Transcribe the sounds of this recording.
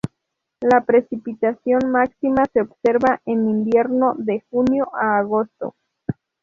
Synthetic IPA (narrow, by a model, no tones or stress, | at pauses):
lapɾe̞sipit̪asjo̞nmaksimase̞obse̞ɾβaʔenimbje̞ɾno̞ðe̞xunjo̞ʔaːɣo̞st̪o̞̰